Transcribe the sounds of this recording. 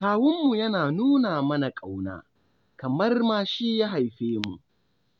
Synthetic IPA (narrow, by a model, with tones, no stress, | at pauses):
kaː˨wʊ˦mːu˨jɐ˦naː˨nuː˦naː˨mɐ˦na˨kʼa˨wna̰ː˦ | kɐ˨mɐ˦rmaː˨ʃi˦ja˦ɦa˨jɸeː˦mu˨ʔ